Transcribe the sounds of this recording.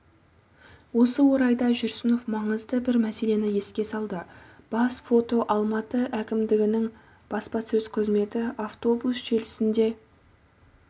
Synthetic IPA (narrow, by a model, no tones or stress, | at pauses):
wo̞səwo̞ɾɑjd̪ɑʒʏɾsɪno̞fmɑɴəzd̪əbɪɾmæse̞le̞nɪje̞skʲe̞sɑlˠd̪əb̥ɑsfo̞t̪o̞ʔɑlˠmɑt̪əʔækʲɪmd̪ɪɡʲɪnɪŋ | b̥ɑspɑsɵz̥qʰəzme̞t̪ɪaft̪o̞busʒe̞lɪsɪnd̪e̞